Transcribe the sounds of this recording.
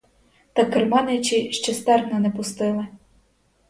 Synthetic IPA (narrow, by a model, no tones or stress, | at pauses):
t̪ɑkːɪrmɑnɪt͡ʃiʃt͡ʃɛst̪ɛrnɐnɛpʊst̪ɪlˠɪ